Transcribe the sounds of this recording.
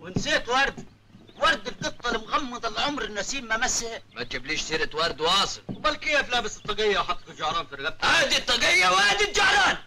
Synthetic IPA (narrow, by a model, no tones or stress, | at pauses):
wɪnseːt̪wɑɾˤd̪ | wɑɾˤd̪ɪlqɨt̪ˤːɑlmɣɑmːɑd̪ˤɪlʕʊmɾˤɪnːasiːmːamashmat̪̚d͡ʒabliːʃsiːɾɪt̪wɑɾˤd̪wɑːsˤɨlwbalkɪjːaflaːbɪsɨt̪ˤːɑɡɪjːawħɑt̪ːkɪld͡ʒahɾˤɑːnfiɾɣab̚haːd̪it̪ˤːɑɡɪjːawaːd̪ild͡ʒahɾˤɑːn